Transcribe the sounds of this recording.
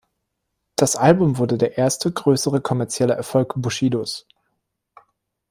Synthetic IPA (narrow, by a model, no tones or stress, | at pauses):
d̥asʔalbʊmvʊɐdədeːɐʔeːɐstəɡʁøːsəʁəkʰɔmɛɐt͡sjɛləʔɛɐfɔlkb̥uʃiːdos